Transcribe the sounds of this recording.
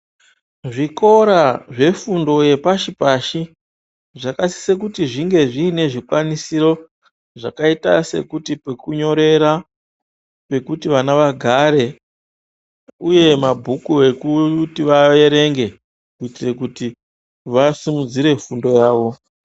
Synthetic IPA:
ʐiko̞ɾaʐe̞fundo̞je̞paʃipaʃi | ʐakasi̥se̞k̬utiʐiŋɡe̞ʐiːne̞ʐikwanisiɾo̞ | ʐa̰kaita̰se̞̰kutipe̞kuɲo̞ɾe̞ɾa | pe̞kutiʋanaʋaɡʱaɾe̞ | uje̞mabʱukue̞kutiʋaje̞ɾe̞ŋɡe̞ | kuitire̞kuti | ʋasimud͡ziɾe̞fundo̞jaːʋo̞

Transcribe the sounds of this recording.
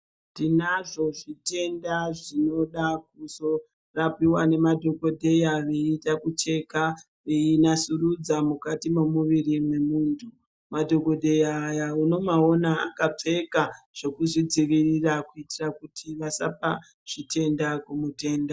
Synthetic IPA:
tinaʐo̞ʐite̞ndaʐino̞ɗak̚uso | rapiwane̞madʱo̞ko̞dʱe̞jaʋe̞itakut͡ʃe̞ka | iinasurud͡zamukatimomuʋirimwe̞muːntʰu | madʱo̞ko̞dʱejaːjauno̞mao̞naa̰kap͡fe̞ka | ʐ̥o̞kuʐid͡ziʋirirakuitirakutʰiʋasa̰pa | ʐ̥ite̞ndakumute̞ːnda

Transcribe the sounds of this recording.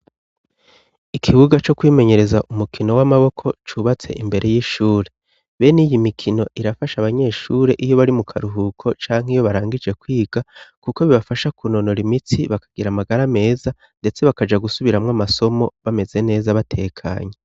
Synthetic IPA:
ikʰiβuɡat͡ʃo̞kwiːme̞ɲe̞ɾe̞zaʔumukʰino̞wamaβo̞kʰo̞t͡ʃuβat͡se̞̰ʔimbe̞ɾʔe̞jiːʃuːɾe̞ | βe̞nijimikʰino̞ʔiɾafaʃaβaɲe̞ːʃuːɾe̞ʔijo̞βaɾimukʰaɾuɦukʰo̞t͡ʃaːŋ̥hijo̞βaɾaːŋɡid͡ʒe̞kwiːɡ̥akuko̞βiβafaʃakuno̞no̞ɾimit͡siβakḁɡ̥iɾamaɡaɾame̞ːza | nde̞t͡se̞βakad͡ʒaɡusuβiɾamŋamaso̞mo̞βame̞ze̞ne̞ːzaβatʰe̞kʰa̰ːɲe

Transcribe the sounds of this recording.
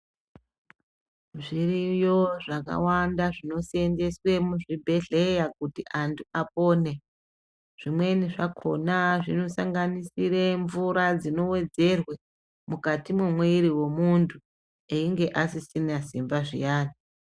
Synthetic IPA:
ʐirijo̞ʐaka̰wandaʐino̞siende̞swe̞muʐibʱe̞ɮe̞jakutiʔantʰuʔapoːne̞ | ʐ̥imwe̞niʐakʰo̞̰naʐino̞saŋɡanisiɾeɱvuɾad͡zino̞we̞d͡ze̞rwe | mukatimwemweiɾiwemuntʰu | eiŋɡe̞ʔasisinasimbaʐḭjaːni

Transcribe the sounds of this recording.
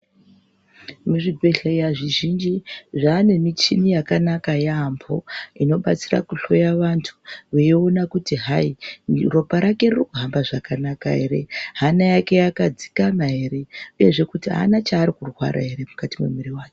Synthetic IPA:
muʐibʱeɬaiaʐiʒind͡ʒiʐaːne̞mit͡ʃinijakanakajaambʰo̞ino̞ɓat͡sira̰kuɬo̞jaʋantʰu̥ʋeionakutiɦairo̞paɾake̞rrokuɦambaʐakanaka̰ɦe̞̰ɾe̞̰ɦanajake̞jakad͡zikanaɦe̞ɾe̞uje̞ʐe̞kutiɦa̰nat͡ʃaːɾikurwa̰ɾa̰ɦe̞ɾe̞mukatimwe̞̰muɾiwaːke

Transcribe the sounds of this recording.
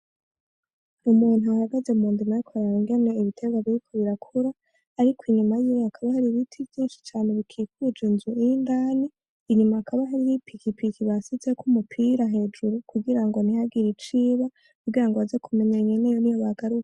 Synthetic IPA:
umuːn̥uahaɡazeumuːndimajokʰoɾaɾiŋɡe̞ne̞iβitʰeɡaβiɾikʰo̞βiɾakʰuɾaː | ɾikʰwiɲumajiweakʰaβahaɾiβitʰivjiːnʃi̥t͡ʃaːneβikʰikid͡ʒunzuiindaːniː | ɲumaːkʰaβaɦaɾijipikʰipikiβasize̞kumupʰiɾaɦe̞ːd͡ʒuɾukʰuɡiɾaŋɡo̞nihaɡiɾit͡ʃiːβa | kuɡiɾaŋɡoaze̞kume̞ɲaɲenejonijoβaɡaɾukḁ

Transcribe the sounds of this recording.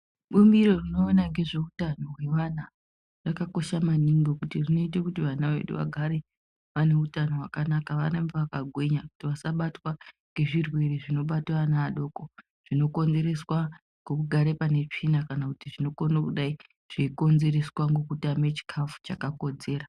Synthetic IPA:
ɓumbiɾo̞rino̞ːnaŋɡe̞ʐe̞utano̞ɦwe̞ʋana | rakako̞ʃamaniŋɡokutirino̞it̬ekutiʋanaʋe̞̰ɗṵʋa̰ɡʱaɾe̞ | ʋane̞utano̞ɦwakanakaʋanembeʋakaɡʱwe̞ɲaku̥tiʋasaɓatwa | ŋɡe̞ʐirwe̞ɾeʐino̞ɓatwanaːɗo̞ːko̞ | ʐ̥ino̞ko̞nd͡ze̞ɾe̞swa | ŋɡukuɡʱaɾe̞pane̞t͡ʂinakanakutiʐino̞konokuɗai | ʐ̥eiko̞nze̞ɾe̞swaŋɡokutamet͡ʃi̥kʰafu̥t͡ʃakako̞d͡ze̞ːra

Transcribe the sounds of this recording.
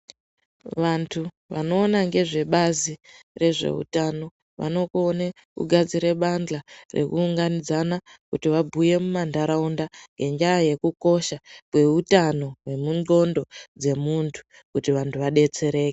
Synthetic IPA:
ʋantʰu | ʋano̞ːnaŋɡe̞ʐe̞ɓazire̞ʐe̞̰ṵtano̞ | ʋa̰no̞kuone | kṵɡʱad͡ziɾe̞ɓand͡ɮarḛkuːŋɡanid͡zanakutiʋabʱuje̞mumandaɾaundaŋɡe̞nd͡ʒajaje̞kuko̞ʃakwe̞utano̞we̞munɡo̞ndo̞d͡ze̞muntʰu̥ | kutiʋantʰuʋaɗe̞t͡se̞ɾe̞ːke̥

